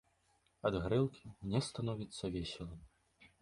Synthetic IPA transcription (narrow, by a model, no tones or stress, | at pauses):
ɐd̪ɣɾɨlˠkʲʰinʲɛst̪anɔvʲit̪sːɐvʲɛsʲɛlˠɐm